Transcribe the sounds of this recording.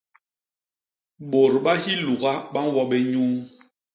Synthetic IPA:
ɓo˨ɾɓa˦hi˦lu˨ɣa˦ɓa˦n˦wɔ˦ɓɛ˦ɲuː˦

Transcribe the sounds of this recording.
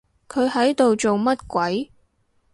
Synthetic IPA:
kʰɵ˨˧ɥɦɐ˨˥jt̪o˨wt͡so˨wmɐ˥t̚kʷɐ˨˥j

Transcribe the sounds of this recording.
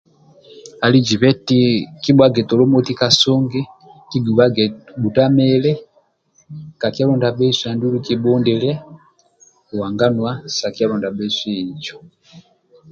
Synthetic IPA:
a˨li˦d͡ʒi˨βɛ˦ti˦ki˦ɓwa˦ɡɛ˨tɔ˨lɔ˦mɔ˦ti˦ka˨sɔ˦ŋɡɛ˦ | ki˦ɡu˨βa˦ɡɛ˨ɓu˨ta˦mɛlɛ˦ | ka˨ki˦a˦lɔ˦nda˨bɛ˦swa˨ndu˦lu˨ki˨ɓɔ˦ndɛ˨lɛ˦ | u˨wa˨ŋɡa˦nwa˦sa˨ki˦a˦lɔ˨nda˨bɛsɛ˦i˨d͡ʒɔ˨

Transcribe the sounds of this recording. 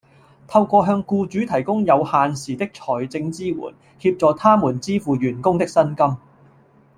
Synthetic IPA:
t̪ʰɐ˧wkʷɔː˧ɦœː˧ŋkuː˧t͡ʃyː˨˥t̪ʰɐ˨˩jkʊ˥ŋjɐ˨˧whaː˨˧nsiː˨t̪ɪ˥k̚t͡ʃʰɔː˨˩jt͡sɪ˧ŋt͡siː˥wṵː˨˩n | hiː˧p̚t͡sɔː˨˧t̪ʰaː˥muː˨˩nt͡siː˥fuː˨˧ɥyː˨˩nkʊ˥ŋt̪ɪ˥k̚sɐ˥nkɐ˥m

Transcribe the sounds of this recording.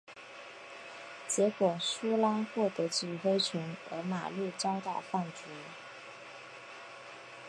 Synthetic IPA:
t͡ɕjɛ˧˥kwɔ˨˩su˥la˥xwɔ˥˩t̪ɤ˧˥t͡ɕy˨˩fe˥ɪt͡ɕʰi˧˥nɤ˧˥ma̰˨˩ly˥˩ʈ͡ʂɑ˥ʊt̪a˥˩ʊfa˥˩nt͡su˧˥

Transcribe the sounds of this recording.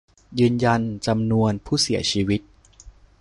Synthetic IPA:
jɯː˧nja˧nt͡ɕa˧mnu˧ənpʰuː˥˩si˩˦ɐt͡ɕʰiː˧wi˦˥t̪̚

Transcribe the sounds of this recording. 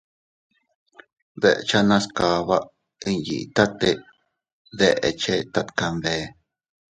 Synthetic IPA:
ðe˨ʔt͡ʃa˦nã˦ska˧βa˦ʔ | i˦jḭ˨˧t̪a˦t̪e˦˧ | ðe˦˧ʔḛ˨˧t͡ʃe˦t̪a˧t̪ka˧mβe˧

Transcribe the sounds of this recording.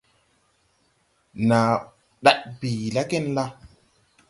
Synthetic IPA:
na˨ | ɗa˨ʔ̚bi˨la˦ke˦˨nla˦

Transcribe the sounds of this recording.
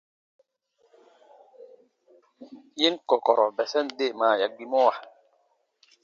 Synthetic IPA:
ji˦nkɔ˨kɔ˨ɾɔ˨bɛ˨sɛ˦nde˦˨maː˨ja˨k̚ɡ͡bi˨mɔ˦wa˨

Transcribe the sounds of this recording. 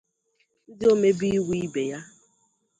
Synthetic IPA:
n̩˦dɪ˦o˦me˦bi˦i˦wi˦i˦be˨ja˦

